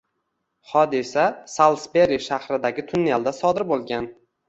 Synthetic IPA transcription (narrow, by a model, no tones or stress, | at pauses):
hɒd̪ɪsasalˠsbeɾiʃahɾɪd̪aɡʲɪt̪ʰʊnːijalˠd̪asɒd̪ɪɾbolˠɡʲan